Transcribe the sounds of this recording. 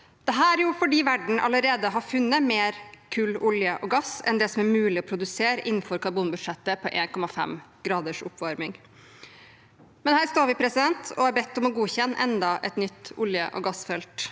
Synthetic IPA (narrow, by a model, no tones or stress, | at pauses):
d̪̥ɛɦæːɾjʊfɔɖiːʋæɖɳ̩ʔɑ̰ləɾeːd̪əɦɑɾfʉnːəmeːɾkʰʉːlʊljəʔɔɡɑsɛ̰nd̪ɛːsɔmæɾmʉːlɪɔpʰɾʊd̪ʉseːɾəʔɪn̩fɔɾkʰɑɾbuːnbʉd̪ʂɛt̪ːəpʰɔʔeːnkʰɔmɑfɛ̰mɡ̥ɾɑːd̪əʂʊ̰pːʋɑɾmɪŋ | mɛnhæːɾst̪oːɾʋɪpʰɾɛsɪd̪ɛnt̪ʰɔɑɾbɛt̪ːɔmɔɡuːçɛnːʔɛnd̪ɑʔɛt̪nʏt̪ːʊljə̰ʔɔ̰ɡɑsfɛlt̪